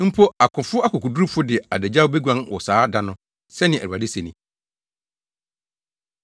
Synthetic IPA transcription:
m̩˦pʰo˦a˨kʰʊ̃˨fʊ˦a˦kʰʊ˨kʰu˨du˦u˦fʊ˦dɪ˨a̰˨dæ˨d͡ʑa˦wbe˦ɡʷã˦nwɔ̰˨saː˦da˦nʊ̃˦ | sɛ˦nɪ̃˨æ̰˨ɾa˨dɪ˦sɛ˨nĩ˨

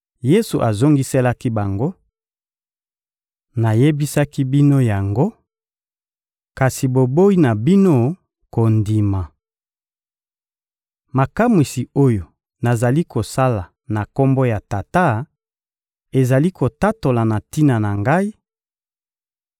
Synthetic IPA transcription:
je˦su˨ʔa˨zo˦ŋɡi˦se˦la˦ki˦ba˨ŋɡo˦ | na˨je˦bi˦sa˦ki˦bi˦no˦ja˨ŋɡo˦ | ka˨si˨bo˨bo˦i˦na˨bi˦no˦ | ko˨ndi˨ma˨ | ma˨ka˦mwi˨si˨o˦jo˨ | na˨za˨li˦kʰo˨sa˦la˨ | na˨ko˦mbo˦ja˨ta˨ta˦ | e˨za˨li˦ko˨ta˦to˨la˨na˨ti˦na˨na˨ŋɡa˦i˦

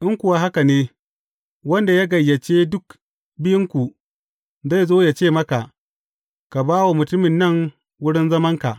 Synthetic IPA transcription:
ʔɪ˦ŋkʷʊ˨wa˦ɦa˦ka˨neː˦ | wɐ˦nda˨ja˦ɡɐ˨jːɐ˨t͡ʃeː˦dʊ˦k | bɪ˦jɪ˦ŋkʷu˨ | za˦˨jzoː˦ja˨t͡ʃeː˦˨mɐ˦ka˨ʔ | ka˨baː˦wa˨mʊ˨tʊ˦mɪ˨nːɐ˦˨ŋ | wʊ˦ɽɪ˦nzɐ˦mɐ˦ŋka˨ʔ

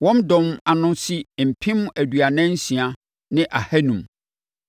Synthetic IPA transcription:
wɔ̃˦mdɔ̃˨ma˨nʊ̃˦si˦m̩˨pʰĩ˦m˦æ˨dɥa˨nɛ̃˦n̩˦sĩ˨a˨ | nɪ̃˦ʔa˨hæ˦nũ˨m

